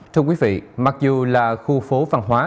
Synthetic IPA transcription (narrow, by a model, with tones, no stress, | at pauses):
t̪ʰɛ˧kwi˨˦vḭ˧˨ma˨˩k̚zu˨˩laː˨˩xu˧fo˨˦va˨˩nɦwaː˨˦